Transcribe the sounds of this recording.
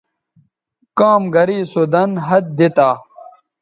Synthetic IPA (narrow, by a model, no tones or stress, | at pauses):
kaːmɡɐɾiːsod̪ɐnɦɐt̪̚d̪it̪aː